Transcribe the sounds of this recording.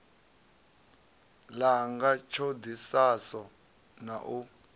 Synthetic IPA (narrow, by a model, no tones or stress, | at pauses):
laŋɡat͡ʃʰod̪isasɔ | naʔu